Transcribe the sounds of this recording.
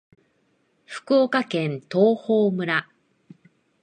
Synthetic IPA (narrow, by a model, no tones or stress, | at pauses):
ɸɯ̥kɯokakẽ̞nt̪o̞ːhoːmɯ̟ɾa